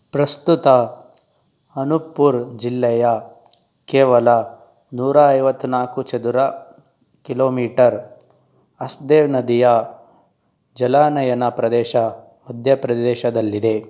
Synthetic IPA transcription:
pɾɐst̪ut̪ɐ | ɐnupːuɾd͡ʒilːɛjɐ | kɛːʋɐlɐ | nuːɾaɐjʋɐt̪ːunaːkut͡ʃɐd̪uɾɐ | kiloːmiːʈɐɾ | ɐsd̪eːʋnɐd̪ijɐ | d͡ʒɐlaːnɐjɐnɐpɾɐd̪ɛːʃɐ | mɐd̪ʱjɐpɾɐd̪ɛːʃɐd̪ɐlːid̪e̞

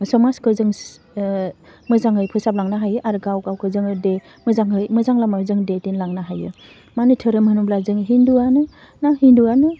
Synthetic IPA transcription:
sɔmaskʰɯzɯŋ | mɯzaŋhɯjpʰɯsap̚laŋnaɦajɯʔaɾɡawkawkʰɯzɯŋde | mɯzaŋɦɯjmɯzaŋlamazɯŋdetenlaŋnaɦajɯ̰ | manɯtʰɯɾɯmɯnumblazɯŋɦinduanɯ | nahinduanɯ

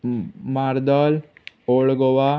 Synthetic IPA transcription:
maɾd̪ɔl | oɭɡoʋa

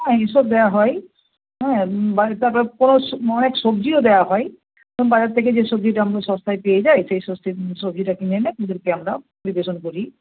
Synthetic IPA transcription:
ɛ̃iʃob̚d̪ɛaɦɔj | ɦɛ̃bat̪aɾpɔɾekonoɔneksobd͡ʑiod̪ɛjaɦɔj | t̪oŋbad͡ʑat̪ʰek̬ed͡ʑeʃob̚d͡ʑiʈaamaɾeʃɔst̪ʰajpejed͡ʑajsejsost̪ʰisobd͡ʑiʈakinenakud̪eɾkeamɾapoɾibeʃonkoɾi

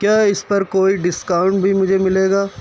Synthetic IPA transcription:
kjaːɪspɐɾkoːiɖɪskaːʊ̃ɳʈbʱimʊd͡ʒʱemɪleːɡaː

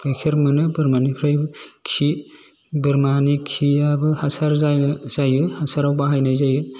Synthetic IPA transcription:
kajkʰiɾmɯnɯbɯɾmanipʰɾajkʰi | bɯɾmanikʰijabɯhasaɾzajnzajɯhasaɾawbaɦajnajzajɯ

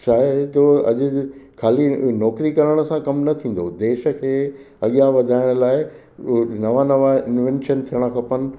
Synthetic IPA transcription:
saːɦet̪oɐ̰ʄʊ̆kʰaːlinɔːkɾikɐɾəɽ̃ə̆sãkɐmnɐt̪ʰĩːn̆d̪od̪eːʃə̆kʰeː | ɐɠijaʋɐd̪ʱaːɪɽ̃əlaːɪ | nɐʋanɐʋaɪ̃nʋẽnʃənt̪ʰiəɽ̃əkʰɐpɐnɪ̆

